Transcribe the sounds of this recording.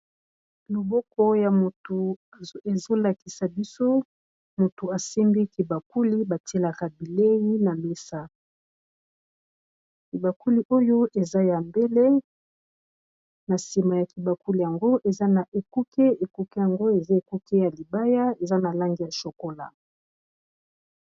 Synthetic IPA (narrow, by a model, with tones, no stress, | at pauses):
lo˨bɔ˦kɔ˦ja˨mo˨to˨e˨zo˦la˨ki˨sa˨bi˦so˦ | mo˨to˨a˨sɛ˦mbi˦ki˨ba˨ku˦li˦ba˨te˦la˨ka˨bi˨le˦ji˦na˨me˦sa˦ | ki˨ba˨ku˦li˦ʔo˦jo˦ʔe˨za˦ja˨mbe˦le˦ | na˨si˨ma˨ja˨ki˨ba˨ku˦li˨ja˨ŋɡo˦ʔe˨za˦na˨ʔe˨ku˦ke˦e˨ku˦ke˦ja˨ŋɡo˦e˨za˦e˨ku˦ke˦ja˨li˨ba˦ja˦e˨za˦na˨la˦ŋɡi˦ja˨ʃo˨ko˦la̰˨